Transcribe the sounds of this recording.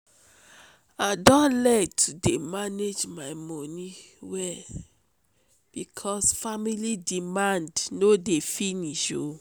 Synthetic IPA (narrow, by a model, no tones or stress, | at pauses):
adɔ̃nlɛtʰudemaned͡ʒmaɪmɔni | wɛl | b̥ikʰɔsfamilidimãndnodefiniʃo